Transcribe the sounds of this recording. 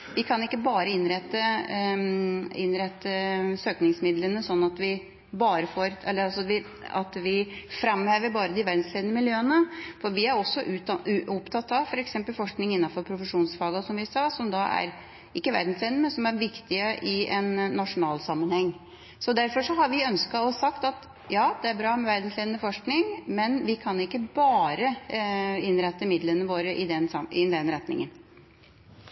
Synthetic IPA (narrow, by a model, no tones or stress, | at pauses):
ʋɪkʰɑnɪkːəbɑːɾəɪnɾɛt̪ːə | ɪnɾɛt̪ːəsøːknɪŋsmɪd̪lənəsɔnːɑt̪ʋɪ | bɑːɾəfoːɾɛlːəɑsɔʋɪ | ɑ̰t̪ʋɪfɾɑmːheːʋəɾbɑːɾəd̪ɪʋæɾd̪n̩sleːd̪nəmɪljøːənəfɔɾʋɪæɾɔsːɔʔʉʉɔpt̪ʰɑt̪ːɑʋfɔɾɛksɛmpəlfɔʂknɪŋɪnːɑnfɔɾpʰɾʊfəʂuːnsfɑːɡɑsɔmʋɪsɑːsɔmd̪ɑʔæ̰ɾ | ɪkːəʋæ̰ɾd̪n̩sleːnəmɛnsɔmæɾʋɪkt̪ɪəʔɪɛnːɑʂʊnɑːlsɑmːənhɛŋː | sɔd̪æɾfɔʂɔɦɑɾʋɪœnskɑɔsɑkt̪ɑt̪ | jɑːd̪ɛæɾbɾɑːmɛʋæɾd̪n̩sleːnəfɔʂknɪŋmɛnʋɪkʰɑnɪkːəbɑːɾə | ɪnɾɛt̪ːəmɪd̪lənəʋoːɾəʔɪd̪ɛnɑɪd̪ɛnɾɛt̪nɪ̰ŋən